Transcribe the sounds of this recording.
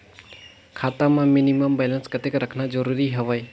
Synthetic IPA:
kʰatamaminimɐmbalɐnskɐteɡɾɐkʰnad͡ʒɔɾuɾiɦɐwaj

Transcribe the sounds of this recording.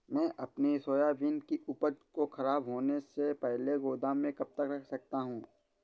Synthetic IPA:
mɛ̃ːʔɐpnisoːjaʋiːnkiʔʊpəd̪koxɐɾaːbɦoːnesepɛɦleɡoːd̪amẽkɐb̚t̪əkɾɐkʰsɐk̚t̪aɦũː

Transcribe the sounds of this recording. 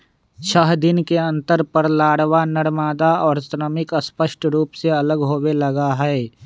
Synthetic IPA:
t͡ʃʰəɦd̪ɪnkeɐ̃nt̪əɾpəɾlaːɽʋanəɽmaːd̪aɔːɾsɾəmɪkəspəʃʈɾuːpseɐləɡɦoːwelɐɡaɦɛe

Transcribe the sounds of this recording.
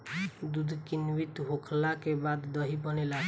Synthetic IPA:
d̪ud̪ʱkinwit̪ɦokʰlakebad̪ːɔɦibɔnela

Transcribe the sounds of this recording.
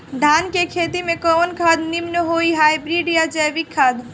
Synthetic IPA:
ɖʱankekʰet̪imekɔnkʰad̪nimnəɦoiɦajbɾiɖijad͡ʒɛʋikʰːad̪

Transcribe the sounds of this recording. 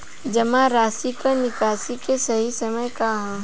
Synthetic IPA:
d͡ʒɐmãɾaːsikanɪkaːsikesɐɦisɐməjkaɦã

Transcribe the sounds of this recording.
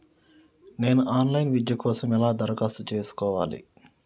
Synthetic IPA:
neːnaːnlajnʋid̪jɐkʰoːsɐmɛlaːd̪ɐɾkast͡ʃeːskoːʋa̰ːlḭ

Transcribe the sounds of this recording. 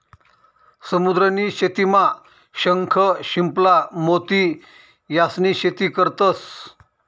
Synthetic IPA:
səmud̪ɾəniɕet̪ima | ɕəŋkʰəɕimplamot̪i | jasniɕet̪iːkəɾt̪əs

